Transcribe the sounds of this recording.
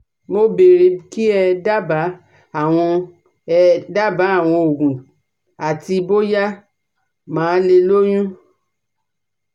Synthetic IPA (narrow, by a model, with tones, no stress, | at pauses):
mo˦be˨ɾe˧ki˦ɛ˧da˦ba˨˦ | a˦˨w̃ɔ̃˧ | ɛ˧da˦ba˨˦a˦˨w̃ɔ̃˧o˨ɡũ˨ | a˨ti˧bo˦ja˦ | mãː˨˦le˧lo˦j̃ũ˦